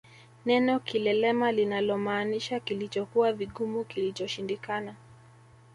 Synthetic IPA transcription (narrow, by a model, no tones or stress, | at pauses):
nɛnɔkilɛlɛmalinalɔmaːniʃakilit͡ʃɔkuwaviɠumukilit͡ʃɔʃindikana